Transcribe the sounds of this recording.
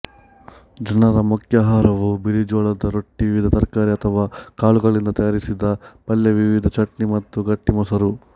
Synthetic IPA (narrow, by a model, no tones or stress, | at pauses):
d͡ʒɐnɐɾɐmukʰjaɦaːɾɐʋubiɾid͡ʒɔːɭɐd̪ɐɾoʈːiʋʋid̪ʱɐt̪ɐɾkaːɾiɐt̪ʰɐʋaːkaːɭuɡɐɭind̪ɐt̪ɐjaːɾisid̪ɐpɐljɐʋiʋid̪ʱɐt͡ʃɐʈnimɐt̪ːuɡɐʈːimɔsɐɾu